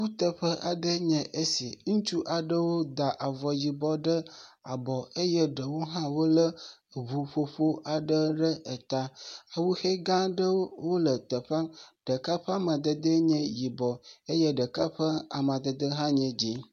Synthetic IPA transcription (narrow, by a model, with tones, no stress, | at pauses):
wu˦t̪ə˨ɸə˦ʔa˨ɖə˦ɲɛ̃˨ʔe˦si˨ŋũ˦t͡ʃu˦ʔa˨ɖə˦wo˦d̪a˨ʔa˨vɔ˨ji˨bɔ˦ɖə˦ | a˨bɔ˨e˦jə˦ɖə˨wo˦ɦã˦wo˦lə˦˨βu˨ɸo˦ɸo˦ʔa˨ɖə˦ɖə˦ʔə˨t̪a˦a˨wu˦xe˦ɡã˦ɖə˦wo˦wo˦lə˨t̪ə˨ɸa˦ɖ̥ə˨ka˦ɸə˦a˦mã˨d̪ə˨d̪ə˦ɲɛ̃˨ji˨bɔ˨e˦jɛ˦ɖə˨ka˦ɸə˦a˨mã˨d̪ə˨d̪ə˦ɦã˦ɲɛ̃˨d͡ʑi˦